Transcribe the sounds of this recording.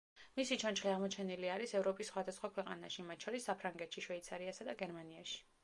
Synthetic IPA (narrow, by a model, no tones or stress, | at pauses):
misit͡ʃʰant͡ʃχiaʁmɔt͡ʃʰɛniliaɾisɛvɾɔpʼisːχwad̪asχwakʰwɛqʼa̰na̰ʃimat̪̚t͡ʃʰɔɾisːapʰɾaŋɡɛt̪ʃiʃvɛit̪sʰaɾiasad̪aɡɛɾmaniaʃi̥